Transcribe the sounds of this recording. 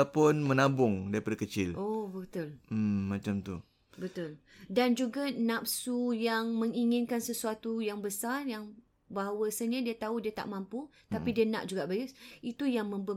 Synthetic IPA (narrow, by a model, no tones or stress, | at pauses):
apʊnmənabʊŋdaɾipadakət͡ʃɪlʔobət̪ʊl̩ːãt͡ʃamt̪ṵ | bət̪ʊldand͡ʒuɡanap̚sujaŋməŋiŋɪnkansəsuat̪ujaŋbəsarjaŋ | baɦawəsəɲadiat̪audiat̪a̰ʔmãmput̪apidiana̰ʔd͡ʒuɡaʔbajəsit̪ujaŋmə̃mbə